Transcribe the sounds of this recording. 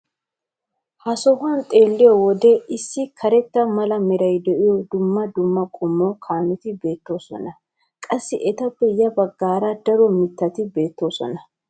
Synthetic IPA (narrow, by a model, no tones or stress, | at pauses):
hɐsɔɦɐnt̪ʼe̞ːlːɪjɔwɔd̪ɛɪsːɪkʰɐɾɛt̪ːɐmɐlɐmɛɾɐjd̪ɛʔɪjɔd̪ʊmːɐd̪ʊmːɐkʼʊmːokʰaːnɪt̪ɪbe̞ːt̪ːo̞ːsɔ̰nɐ | kʼɐsːɪʔɛt̪ɐpːɛjɐbɐɡːaːɾɐd̪ɐɾɔmɪt̪ːɐt̪ɪbe̞ːt̪ːo̞ːsɔ̰nɐ